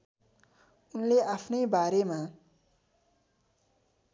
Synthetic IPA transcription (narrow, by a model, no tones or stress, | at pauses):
unleʔapʰnʌjbaɾema